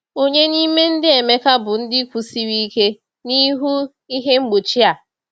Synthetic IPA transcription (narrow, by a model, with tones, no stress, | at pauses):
o˦ɲe˦ni˦me˦n̩˦dɪ˦e˨me˦ka˦bʊ˨n̩˦dɪ˦kʷu˨si˦wi˦ke˦ | ni˦ɦu˦ | i˦ɦe˦ŋ͡m̩˦ɡ͡bo˨t͡ʃi˦a˨